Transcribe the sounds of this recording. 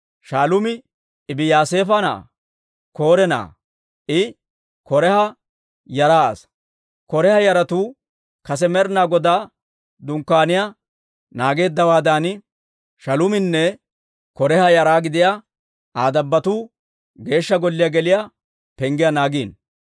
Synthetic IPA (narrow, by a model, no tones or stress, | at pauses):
ʃaːlʊmɪː | bɪjaːse̞ːfɐna̰ː | ko̞ːɾɛna̰ː | ʔɪ | kɔɾɛhɐ | jɐɾaːɐ̰s | kɔɾɛhɐjɐɾɐt̪uː | kɐs̬ɛmɛɾnaːɡɔd̪aː | d̪ʊŋkːaːnɪja | naːɡe̞ːd̪ːɐwaːd̪aːnɪ | ʃɐlʊmɪnːɛ | kɔɾɛhɐjɐɾaːɡɪd̪ɪja | aːd̪ɐbːɐt̪uː | ɡe̞ːʃːɐɡɔlːɪjaɡɛlɪja | pɛŋɡɪjanaːɡiːn